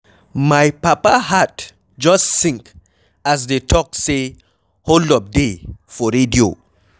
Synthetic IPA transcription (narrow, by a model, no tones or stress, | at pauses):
majpapahat | d͡ʒɔstsĩŋk | as̬detʰɔk̚se | holdɔvdefɔɾedio